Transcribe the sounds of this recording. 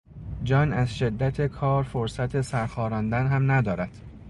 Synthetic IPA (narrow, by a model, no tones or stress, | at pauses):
d͡ʒɒːnæzʃe̞d̪ːæt̪ʰe̞kʰɒːɾfoɾsæt̪ʰe̞sæɾxɒːɾɒːnd̪ænɦæmnæd̪ɒːɾæd̪̥